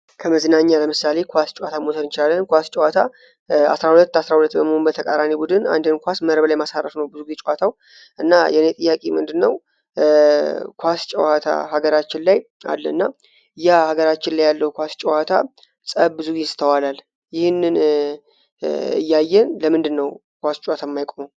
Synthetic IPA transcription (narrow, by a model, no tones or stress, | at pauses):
kʰəməzɨnaɲːaləmɨsale̞kʰʷast͡ʃʼwat̪ʰamosʰənɨnt͡ʃɪlalːənkʷast͡ʃʼɛwat̪ʰa | a̰sɾahulət̪ːasɾahulət̪ːbəməhombət̪ʰəkʼaɾanibud̪ɨna̰nd̪ənkʷasməɾəblajmasarəfnəwbɨzuɡit͡ʃʼwat̪ʰaw | ʔɨnːajɛnet̪ʼɨjːakʼemɨnd̪ɨnːəw | kʰʷast͡ʃʼɛwat̪ʰa̰haɡəɾat͡ʃːɪnlaj | a̰lːəɨnːa | ɨjːahaɡəɾat͡ʃːɪnlajːalːəhukʷast͡ʃʼɛwat̪ʰa | sʼəβbɨzuɡisɨ̥t̪ʰəwalal | jɪhnːɨn | ɨ̰jːajːɛnləmɨnd̪ɨnːəw | kʷast͡ʃʼwat̪ʰamːajkʼom